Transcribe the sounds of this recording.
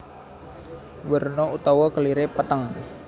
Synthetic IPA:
wərnɔut̪awɔkəliɾepət̪əŋ

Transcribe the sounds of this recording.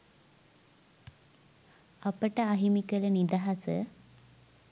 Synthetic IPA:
ɐpəʈəaɦimikələnid̪aɦasə

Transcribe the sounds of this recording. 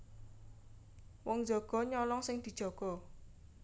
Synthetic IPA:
wɔŋd͡ʒɔɡ̥ɔ̤ɲɔlɔŋsɪŋd̪̥i̤d̥ʒ̥ɔ̤ɡ̥ɔ̤

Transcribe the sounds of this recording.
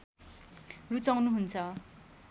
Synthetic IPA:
rut͡sawnuɦunt͡sʰʌ

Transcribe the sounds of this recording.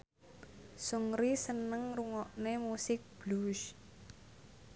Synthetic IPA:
suŋɾisənəŋruŋɔʔnemusɪk̚b̥lus

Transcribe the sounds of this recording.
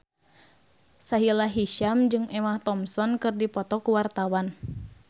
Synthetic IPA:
saɦilaɦiʃamd͡ʒɨŋʔɛmaht̪ɔmsɔnkɨrdipɔt̪ɔkuwart̪awan

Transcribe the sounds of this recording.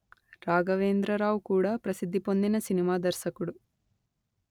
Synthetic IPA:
ɾaːɡɐʋeːnd̪ɾɐɾaːʋukuːɽaːpɾɐsid̪ʱːipo̞nd̪inɐsinimaːd̪ɐɾʃɐkuɽu

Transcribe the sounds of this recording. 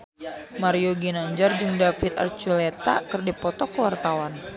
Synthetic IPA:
maɾioɡinaɲd͡ʒard͡ʒɨŋdafit̪a̰rt͡ʃulet̪a̰kɨrdipɔt̪ɔkəwart̪awan

